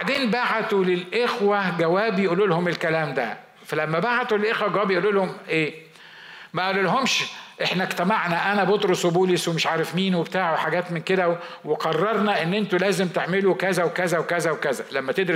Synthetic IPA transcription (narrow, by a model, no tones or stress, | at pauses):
baʕd̪eːnbaʕt̪ulelʔexwæɡæwæːbjeʔululhomelkælæːmd̪æ̰ | fælæmːæbaʕt̪ulelʔexwæɡæwæːbijeʔulːulhomʔeː | mæʔæʔlːulɦomʃʔeħnækt̪æmaʕnæʔænæbot̪ɾoswebuːleswemeʃʕaːɾefmiːnwebet̪aːʕoħaɡæːt̪menked̪æweqɑrˤːɑɾˤnæʔenːʔent̪ulæːzemt̪eʕmelukæzæwekæzæwekæzæwekæzælæmːæt̪ed̪ɾi